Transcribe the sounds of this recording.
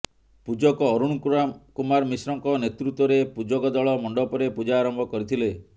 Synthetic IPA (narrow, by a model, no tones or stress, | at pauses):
pud͡ʒɔkɔːɾuɽ̃kuɾakumaɾmisɾɔŋkɔnet̪ɾut̪wɔɾepud͡ʒɔkɔd̪ɔɭɔmɔɳɖɔpɔɾepud͡ʒaːɾɔmbʱɔkɔɾit̪ʰile